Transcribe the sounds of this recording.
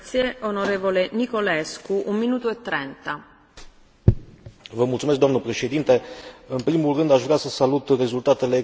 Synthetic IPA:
sjeonoɾeːvolenikoleskuʔumminuːt̪uet̪ːɾent̪a | vəmult̪sumesk̚d̪amnəpɾe̞ʃe̞d̪int̪e̞ɨnpɾimulrɨnd̪aʃvɾʲasəsalut̪re̞zult̪at̪ele

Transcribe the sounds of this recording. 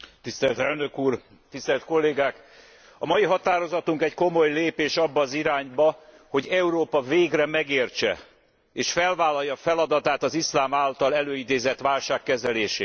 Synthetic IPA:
t̪ist̪ɛlt̪ɛlnø̞kuːr | t̪ist̪ɛlt̪ko̞lːeːɡaːk | ɒmɒjiɦɒt̪aːɾo̞zɒt̪uŋkɛcko̞mo̞jleːpeːʃɒbːɒːziɾaːɲbɒ | ho̞ɟɛuɾoːpɒveːɡrɛmɛɡeːrt͡ʃɛ̰ | eːʃfɛlvaːlːɒjːɒfɛlɒd̪ɒt̪aːt̪ɒzislaːmaːlt̪ɒlɛløːid̪eːzɛt̪ʋaːlʃaːkːɛzɛleːʃeː

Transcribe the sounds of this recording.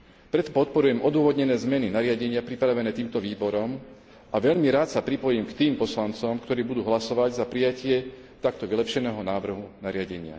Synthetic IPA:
pɾɛt̪ɔpɔt̪̚pɔɾujɛmʔɔd̪ʊɔʋɔd̪ɲɛnɛːzmɛninaɾɪaɟɛɲɪapɾipɾaʋɛnɛːt̪iːmt̪ɔʋiːbɔɾɔm | ʔaʋɛʎmiɾaːt̪sapɾipɔjiːmkt̪iːmpɔslant͡sɔmkt̪ɔɾiːbud̪uːɦlasɔʋaɟzapɾijacɪɛ | t̪akt̪ɔʋilɛpʃɛnɛːɦɔnaːʋr̩ɦunaɾɪaɟɛɲɪa̰

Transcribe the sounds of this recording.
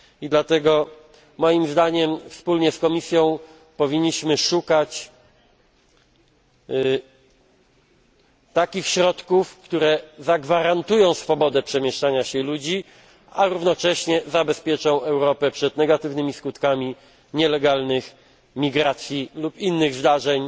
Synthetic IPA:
id̪lat̪ɛɡɔ | mɔjimzd̪aɲɛmfspulɲɛskɔmʲisʲjɔ̃w̃ | pɔvʲiɲːiɕmɘʂukat͡ɕ | t̪akʲixɕɾɔt̪kufkt̪uɾɛzaɡvaɾant̪ujɔ̃w̃sfɔbɔd̪ɛpʂɛmʲjɛʂt͡ʂaɲaɕɛlud͡ʑi | aɾuvnɔt͡ʂɛɕɲɛzabɛspʲjɛt͡ʂɔ̃w̃ɛwɾɔpɛpʂɛd̪nɛɡat̪ɘvnɘmʲiskut̪kamʲi | ɲɛlɛɡalnɘx | mʲiɡɾat̪sʲjilupinːɘɣzd̪aʐɛɲ

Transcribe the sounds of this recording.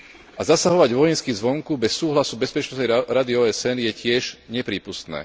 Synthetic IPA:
ʔazasaɦɔʋaɟʋɔjɛnskizʋɔŋkubɛsːuːɦlasubɛspɛt͡ʃnɔsnɛɾad̪iɔːɛsɛnjɛcɪɛʒɲɛpɾiːpust̪nɛ̰ː

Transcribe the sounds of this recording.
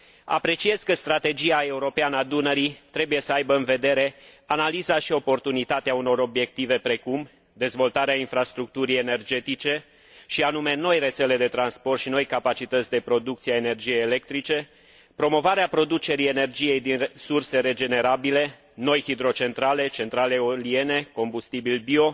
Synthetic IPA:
a̰pɾe̞t͡ʃie̞z̥kəst̪ɾat̪e̞d͡ʒiae̞uɾo̞peanəad̪unəɾit̪ɾe̞buje̞səajbəɨnve̞d̪e̞ɾe̞analizaʃio̞po̞rt̪unit̪at̪eauno̞ɾo̞bje̞k̚t̪ive̞pɾe̞kum | d̪e̞zvo̞lt̪aɾeainfɾast̪ɾuk̚t̪uɾije̞ne̞rd͡ʒe̞t̪it͡ʃe̞ | ʃianume̞no̞jre̞t̪se̞le̞d̪e̞t̪ɾanspo̞rt̪ʃino̞jkapat͡ʃit̪ət̪sʲd̪e̞pɾo̞d̪uk̚t̪sieaene̞rd͡ʒije̞jele̞k̚t̪ɾit͡ʃe̞ | pɾo̞mo̞vaɾeapɾo̞d̪ut͡ʃe̞ɾie̞ne̞rd͡ʒije̞jd̪insurse̞ɾe̞d͡ʒe̞ne̞ɾabile̞ | no̞jhid̪ɾo̞t͡ʃe̞nt̪ɾale̞t͡ʃe̞nt̪ɾale̞olie̞ne̞ko̞mbust̪ibilbio̞

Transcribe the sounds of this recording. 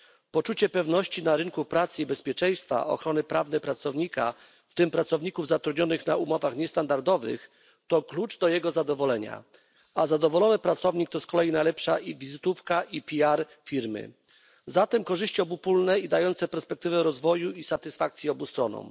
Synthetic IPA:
pɔt͡ʂut͡ɕɛpɛvnɔɕt͡ɕinaɾɘŋkupɾat̪sɘibɛspʲjɛt͡ʂɛj̃st̪fa̰ʔɔ̰xɾɔnɘpɾavnɛpɾat̪sɔvɲika̰ | ft̪ɘmpɾat̪sɔvɲikuvzat̪ɾud̪ɲɔnɘxnaumɔvaxɲɛst̪and̪aɾd̪ɔvɘ̰x | t̪ɔklut͡ʂd̪ɔjɛɡɔzad̪ɔvɔlɛɲa̰ | azad̪ɔvɔlɔnɘpɾat̪sɔvɲik̚t̪ɔskɔlɛjinajlɛpʂaʔivʲizɘt̪ufkaʔipʲiaɾ | fʲiɾmɘ̰ | zat̪ɛmkɔʐɘɕt͡ɕiɔbupulnɛid̪ajɔnt̪sɛpɛɾspɛkt̪ɘvɛɾɔzvɔjuisat̪ɘsfak̚t̪sʲjiɔbust̪ɾɔnɔ̰̃m

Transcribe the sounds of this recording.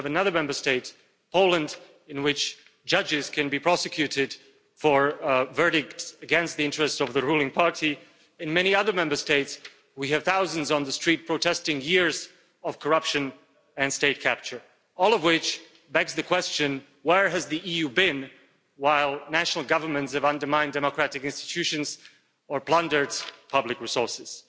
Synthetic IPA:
vɨnʌðə˞mɛ̃mbə˞steɪts | pʰoʊlˠə̃nd | ɨ̃nwɪt͡ʃ | d͡ʒʌd͡ʒɪz̥kʰɨ̃nbipʰɹ̥ɑsɨkʰj̥ʉɾɪd̥ | fə˞vɜ˞ɾɪk̚tsɨɡɛ̃nst̪̚ðiɪ̃nt͡ʃɹ̥ɨstsʌvðɨɹulˠɪ̃ŋpʰɑɹɾi | ɨ̃nmɛniʌðə˞mɛ̃mbə˞steɪts | wiɨv̥θaʊzɨ̃nzn̩ðɨstɹ̥it̚pʰɹ̥oʊtʰɛstɪ̃ŋjɪɹz | ʌv̥kʰəɹʌpʃɨ̃n | ɨ̃nsteɪt̚kʰæp̚t͡ʃə˞ | ɔlˠʌvwɪt͡ʃ | bɛɡzðɨkʰw̥ɛst͡ʃɨ̃n | wə˞ɨzðiʔijʉbɪ̃n | waɪlˠnæʃnl̩ˠɡʌvə˞mɨ̃ntsɨvʌ̃ndə˞mãɪ̃ndɛməkʰɹ̥æɾɨkɪ̃nstɨ̥tʰʉʃɨ̃nz | ə˞pl̥ʌ̃ndə˞dz̥pʰʌblɨkɹisɔɹsɨz̥

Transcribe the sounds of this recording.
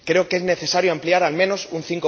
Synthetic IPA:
kɾe̞oke̞zne̞θe̞saɾjoampliaɾalmẽno̞sun̟θiŋko

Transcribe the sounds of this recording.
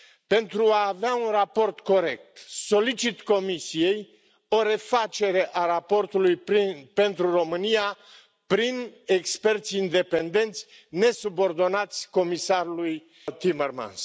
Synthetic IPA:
pe̞nt̪ɾuaːveaunrapo̞rt̪ko̞ɾe̞k̚t̪so̞lit͡ʃit̪ko̞misije̞j | o̞ɾe̞fat͡ʃe̞ɾe̞ʔaɾapo̞rt̪ulujpe̞nt̪ɾuro̞mɨnija | pɾinekspe̞rt̪sʲind̪e̞pe̞nd̪e̞nt̪sʲ | ne̞subo̞rd̪o̞nat̪sʲko̞misaɾuluj | t̪imerma̰ns

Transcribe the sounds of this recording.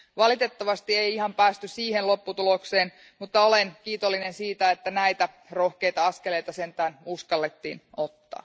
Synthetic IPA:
ʋɑlit̪et̪ːɑʋɑst̪ieiihɑmpæːst̪yssiːhenlo̞pːut̪ulokseːn | mut̪ːɑolenkiːt̪olːinensiːt̪æet̪ːænæit̪æ | rohkejt̪ɑɑskele̞jt̪ɑsent̪æːnuskɑlːet̪ːḭːnot̪ːɑ̰ː

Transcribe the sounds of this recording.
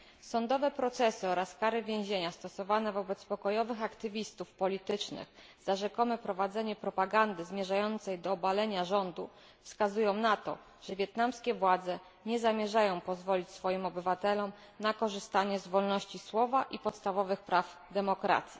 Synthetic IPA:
sɔnd̪ɔvɛpɾɔt̪sɛsɘɔɾaskaɾɘvʲjẽw̃ʑeɲast̪ɔsɔvanɛvɔbɛt̪spɔkɔjɔvɘxakt̪ɘvʲist̪ufpɔlʲit̪ɘt͡ʂnɘ̰x | z̥aʐɛkɔmɛpɾɔvad̪zɛɲɛpɾɔpaɡand̪ɘzmʲjɛʐajɔnt̪sɛjd̪ɔːbalɛɲaʐɔnd̪u | fskazujɔ̃w̃nat̪ɔ̰ | ʐ̥ɛvʲjɛt̪namskʲɛvwad̪zɛ | ɲɛzamʲjɛʐajɔ̃w̃pɔzvɔlʲit͡ɕsfɔjimɔbɘvat̪ɛlɔm | nakɔʐɘst̪aɲɛzvɔlnɔɕt͡ɕiswɔvaʔipɔt̪st̪avɔvɘxpɾav | d̪ɛmɔkɾa̰t̪sʲji

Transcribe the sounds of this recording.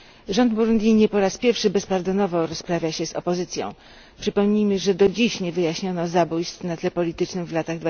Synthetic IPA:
ʐɔnd̪buɾund̪ʲjiɲɛpɔɾaspʲjɛɾfʂɘbɛspaɾd̪ɔnɔvɔɾɔspɾavʲjaɕɛzɔ̰pɔzɘt̪sʲjɔ̰̃w̃ | pʂɘpɔmɲijmɘʐɛd̪ɔd͡ʑiɕɲɛvɘjaɕɲɔnɔzabujst̪fnat̪lɛpɔlʲit̪ɘt͡ʂnɘmvlat̪aɣd̪va

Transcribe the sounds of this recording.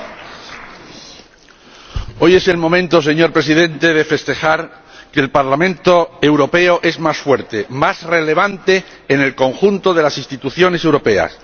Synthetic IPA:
o̞je̞se̞lmõ̞mẽnt̪o̞s̬e̞ɲo̞ɾpɾe̞siðẽ̞nt̪e̞ð̞e̞fe̞st̪e̞xaɾ | keːlpaɾlamẽnt̪oewɾo̞pe̞oʔe̞zmasfwe̞ɾt̪e̞masre̞le̞β̞ant̪e̞ː | ne̞lko̞ŋxunt̪o̞ð̞e̞lasist̪it̪uθjo̞ne̞se̞wɾo̞pe̞a̰s

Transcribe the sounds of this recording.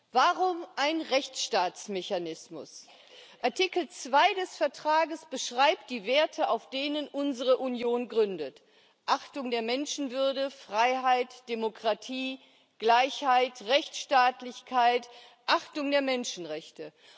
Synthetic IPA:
v̥aʁʊmʔaɪnʁɛçt͡sʃtaːt͡smeçanɪsmʊ̰s | ʔaɐtɪkl̩t͡sv̥aɪdɛsfɛɐtʁ̥aːɡəsb̥əʃʁ̥aɪp̚t̚d̥iːveːɐtʰəʔaʊfd̥eːnənʔʊnzəʁəʔunjoːnɡʁʏndət | ʔaχtʊŋdeːɐmɛnʃn̩vʏɐdəfʁ̥aɪɦaɪtd̥emokʁ̥atʰiː | ɡ̥laɪçhaɪtʁɛçt͡sʃtaːtlɪçkʰaɪt | ʔaχtʊŋdeːɐmɛnʃn̩ʁɛçtə

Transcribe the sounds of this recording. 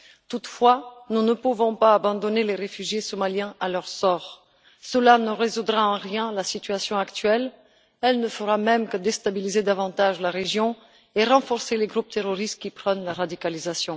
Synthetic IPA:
t̪ut̪fwanunəpuvɔ̃paːbɑ̃d̪ɔneleʁefyʒjesɔmaljɛ̃ʔalœʁsɔːʁ | səlanəʁezud̪ʁaɑ̃ʁjɛ̃lasit̪ɥasjɔ̃akt̪ɥɛl | ɛlnəfəʁamɛmkəd̪est̪abilized̪avɑ̃t̪aʒlaʁeʒjɔ̃ | eʁɑ̃fɔʁseleɡʁup̚t̪eʁɔʁist̪̚kʲipχɔnlaʁad̪ikalizasjɔ̃

